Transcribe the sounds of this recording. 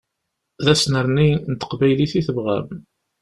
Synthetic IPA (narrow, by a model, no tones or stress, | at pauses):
ðæsnəɾˤnint̪ə̥qbæjliθiθəvʁæ̰m